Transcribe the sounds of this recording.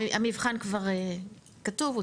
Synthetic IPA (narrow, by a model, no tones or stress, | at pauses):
amivχankvaʁe | katuvu